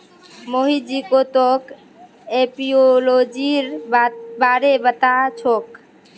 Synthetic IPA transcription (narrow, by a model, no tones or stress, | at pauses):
moɦid͡ʒikot̪ok | epiolod͡ʒiɾbaɾebət̪at͡ʃʰok